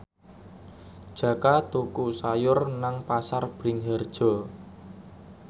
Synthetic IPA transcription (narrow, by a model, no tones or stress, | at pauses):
d̥ʒ̥ä̤kat̪ukusajʊrnaŋpasarb̥ɾɪŋɦɛrd̥ʒ̥ɔ̤